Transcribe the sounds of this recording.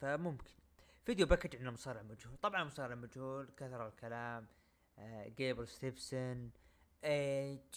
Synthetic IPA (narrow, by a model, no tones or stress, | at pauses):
famʊmkʰɪ̥nfid̪jubakːad͡ʒ̪ʕɪnːamʊsˤɑːɾɪʕmad͡ʒhuːlt̪ˤɑbʕɑnmʊsˤɑːɾɪʕmad͡ʒhuːlkaθɾˤɑlkalaːm | ɡeːbɪɾst̪ifsanʔe